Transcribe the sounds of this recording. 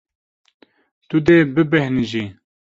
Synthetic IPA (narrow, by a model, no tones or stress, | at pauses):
t̪ud̪eːbɨbɛhnʒi